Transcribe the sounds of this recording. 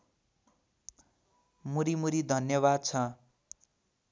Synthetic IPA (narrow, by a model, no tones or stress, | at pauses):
muɾimuɾid̪ʱʌnjʌβad̪̚t͡sʰʌ